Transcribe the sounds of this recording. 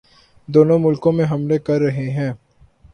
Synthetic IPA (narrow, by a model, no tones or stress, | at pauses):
d̪oːnõmʊlkõmẽɦɐmlekɐɾːɐɦeɦɛ̃ː